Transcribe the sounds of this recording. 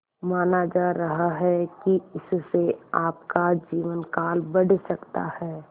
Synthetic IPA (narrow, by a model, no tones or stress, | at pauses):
maːnad͡ʒaɾəɦaɦɛkiɪsseaːpkad͡ʒiːʋənkaːlbəɽsəkt̪a̰hɛː